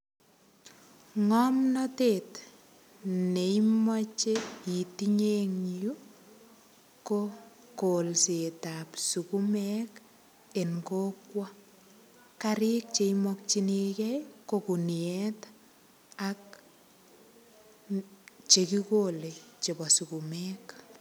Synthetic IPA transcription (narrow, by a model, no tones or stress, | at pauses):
ŋɔmnɔteːt | neimɔt͡ʃeitiɲeŋju | ko | kolsetapsukumɛk | enkokwɔ | kaɾɪk̚t͡ʃeimɔk̚t͡ʃinekɛkokuniɛt | ak̚ | t͡ʃekikolet͡ʃebɔsukumɛk